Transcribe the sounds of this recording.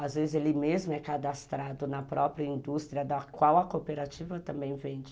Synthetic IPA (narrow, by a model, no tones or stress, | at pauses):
azvezɪzelɪmezmʊɛkad̪ast̪ɾad̪ʊnɐpɾɔpɾiɐĩnd̪ust̪ɾiɐd̪ɐkwawɐkopeɾat͡ʃivɐt̪ɐ̃mbẽj̃vẽd͡ʒɪ